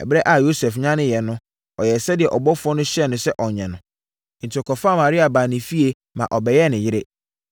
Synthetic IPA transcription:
ɛ̰˨bɾɛ˦ʔa˨jo˦sɛ˨fɲã˦nɪ̃˦jɛ˨nʊ̃˦ | ɔ˨jɛ˨sɛ˦dɪ˨ɛ˨ʔɔ˨bɔ˦fʊ˦ɔ˦nʊ̃˦ɕɛ˦˨nʊ̃˨sɛ˦ʔɔ˨ɲɛ̃˨nʊ̃˨˦ | n̩˨tʰɔ˨kɔ˨fa˦˨mã˨ɾi˦a˨baː˨nɪ̃˨fi˦e˦ | mã̰˨ʔɔ˨bɛ˨jɛ˦˨nɪ̃˨jɪ˦ɾɪ˦

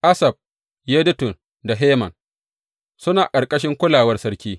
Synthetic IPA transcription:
ʔa˦sɐ˨b̚ | je˦dʊ˦tʊ˨n | da˨ɦeː˦mɐ̰˨n | sʊ˦naː˨kʼɐ˨rkʼɐ˦ʃɪ˦ŋkʷʊ˦laː˨wɐ˦rsɐ˦ɽkʲiː˦

